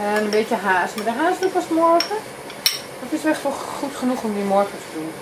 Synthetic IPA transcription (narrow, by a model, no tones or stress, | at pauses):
ənəmbɪːtjəɦaːsmadəɦaːsdupɔsmɔrxə | d̥ɔtʋɪsʋɛxtʋɔxutχənuxomdimɔrkətədun